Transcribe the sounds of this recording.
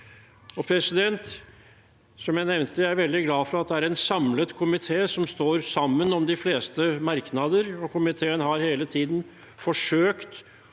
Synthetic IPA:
ɔpʰɾɛsɪd̪ɛnt̪ | sɔmjæɪnɛʋnt̪əææɾʋɛld̪ɪɡlɑːfɔɾɑɑt̪̚d̪ɛæɾɛnsɑmlət̪kʰʊmɪt̪ʰeːsɔmst̪oːɾsɑmːənɔmd̪ɪfleːst̪əmɑɾknɑd̪əɾɔkʰʊmɪt̪ʰeːənɦɑɾheːlət̪ʰiːd̪n̩ | fɔʂøːkt̪

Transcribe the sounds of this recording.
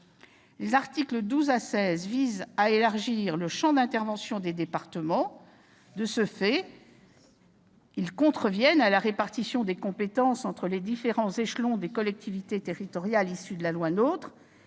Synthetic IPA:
lezaʁt̪ikləd̪uzasɛzvizaelaʁʒiʁləʃɑ̃d̪ɛ̃t̪ɛʁvɑ̃sjɔ̃d̪ed̪epaʁt̪əmɑ̃ | d̪əsəfɛ | ilkɔ̃t̪χəvjɛnalaʁepaʁt̪isjɔ̃d̪ekɔ̃pet̪ɑ̃sɑ̃t̪χəled̪ifeʁɑ̃zeʃlɔ̃d̪ekɔlɛk̚t̪ivit̪et̪eʁit̪ɔʁjalisyd̪əlalwanot̪χ

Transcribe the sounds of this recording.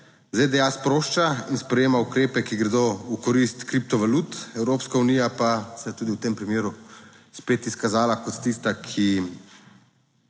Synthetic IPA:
zed̪ɛaspɾoːʃt͡ʃainspɾɛjeːmaukɾeːpɛkiɡɾɛd̪oukɔɾist̪kɾip̚t̪ɔʋalut̪ɛwɾoːpskaunijapasɛt̪uːd̪iwt̪eːmpɾimjeːɾu | speːt̪iskazaːlakɔt̪t̪ist̪akʰi

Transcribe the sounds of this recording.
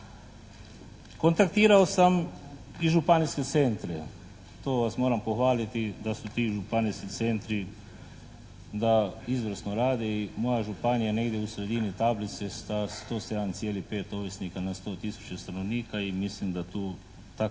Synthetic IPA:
ko̞nt̪akt̪iːɾaosam | iʒupaniske̞t̪se̞nt̪ɾe | t̪oːʋasmo̞ːɾampo̞xʋaːlit̪id̪asut̪iːʒupaniskit̪se̞nt̪ɾi | d̪aizʋɾsno̞ɾaːd̪eimo̞jaʒupanijane̞ɡd̪ʲjeusɾe̞d̪init̪ablit̪sest̪ast̪o̞ːse̞d̪ant̪sijeːlipe̞ːt̪oʋjesnikanast̪o̞ːt̪isu̥t͡ɕest̪ano̞ʋniːkaimislimd̪at̪uː | t̪a

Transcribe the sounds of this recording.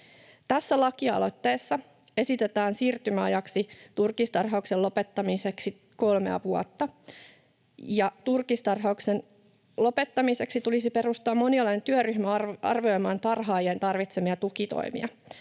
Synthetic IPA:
t̪æsːælɑkiɑ̰lo̞t̪ːeːsːɑ | esit̪et̪æːnsiːrt̪ymæɑjɑksit̪urkist̪ɑrɦɑukselːo̞pet̪ːɑmiseksi | ko̞lmḛɑ̰ʋuo̰t̪ːɑ | jɑt̪urkist̪ɑrɦɑuksen | lo̞pe̞t̪ːɑmise̞ksit̪ulisipe̞ɾust̪uɑmːo̞niɑlːent̪yøryçmæɑ̰rʋio̞jmɑːnt̪ɑrɦɑːjent̪ɑrʋit̪semiɑt̪ukit̪o̰imḭɑ̰

